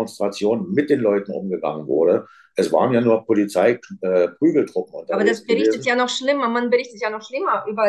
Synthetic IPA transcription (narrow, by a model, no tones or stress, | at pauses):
ɔnstʁ̥at͡sjoːnmɪt̚d̥eːnlɔʏtn̩ʔʊmɡəɡa̰ŋənvʊ̰ɐɾə | ʔɛsv̥a̰ːʁənjaːnuːɐpʰolit͡saɪɛːpʁ̥yːɡl̩tʁ̥ʊpm̩ʊ̰ntdaːbɐdasbəʁɪçtətjaːnɔχʃlɪmɐmanbəʁɪçtətjaːnɔχʃlɪmɐʔyːbɐ